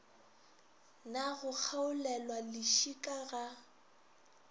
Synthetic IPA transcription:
naɣʊk͡xʰaʊlɛlwalɪʃikʼaɣa

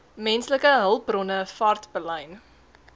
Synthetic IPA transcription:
mɛnsləkəɦəlˠb̚brɔnəfɐrtb̥əlɐjn

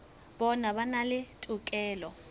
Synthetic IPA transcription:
ɓɔnaɓanalɪtʼukʼɛːlɔ

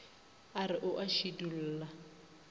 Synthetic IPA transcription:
arɪʔʊʔaʃidul̩ːla

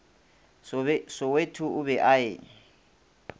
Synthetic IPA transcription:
sɔwetʰʊʊβɛʔaeːŋ̩

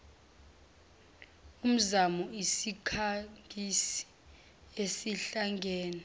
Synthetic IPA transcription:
um̩zamɔisikʰaŋɡʱisi̥ | esiɬaŋɡʱɛːnɛ

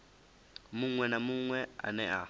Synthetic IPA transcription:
muŋwɛnamuŋwɛa̰nɛʔa

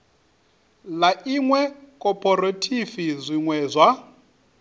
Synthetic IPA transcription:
laʔiŋwɛkʼɔpʰʼɔrotʰifizʷiŋwɛːzʷwa

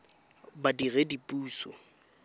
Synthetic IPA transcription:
badiɣedipʼuːsɔ

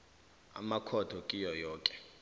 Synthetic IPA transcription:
a̰makʰɔd̥ʱɔkʼijɔjɔːkʼɛ̥

